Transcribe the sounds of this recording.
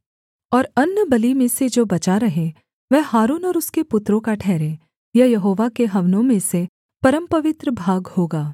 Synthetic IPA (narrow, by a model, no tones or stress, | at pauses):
ɔːɾɐnːəbɐlimẽsed͡ʒoːbɐt͡ʃaɾɐɦẽ | ʋɛɦhaːɾuːnɔːɾʊskepʊt̪ɾõkaʈʰɛːɾẽː | jɐɦjɐɦoːʋakeɦɐʋnõmẽse | pɐɾəmpɐʋɪt̪ɾəbʱaːɡhoːɡaː